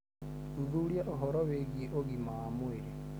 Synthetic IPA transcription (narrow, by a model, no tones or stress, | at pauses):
uðuljaʔoɦɔɾɔweɡieʔoɡimaːmweɾe